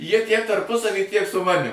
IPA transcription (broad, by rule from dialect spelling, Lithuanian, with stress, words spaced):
ˈjiɛ tʲiɛk tɐrˈpʊsɐʋʲiː tʲiɛk sʊ ˈmɑːnʲɪm